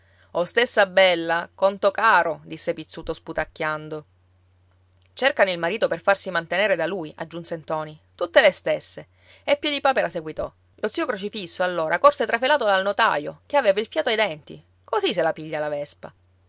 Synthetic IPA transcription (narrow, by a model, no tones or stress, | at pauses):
ost̪esːabɛlːakont̪okaːɾod̪isːepit̪sːuːt̪osput̪akːjand̪o | t͡ʃerkanoilmaɾiːt̪operfarsimant̪eneːɾed̪alujʔa̰d͡ʒːunsent̪ɔːnit̪ut̪ːelest̪esːe | epːjed̪ipaːpeɾaseɡwit̪ɔ̰ | lʔot̪siokɾot͡ʃifisːoalːoːɾʔakorset̪ɾafelaːt̪od̪alnot̪a̰jok̟eaveːvailfjaːt̪oajd̪ɛnt̪ḭ | koziselapiʎːalavɛspa̰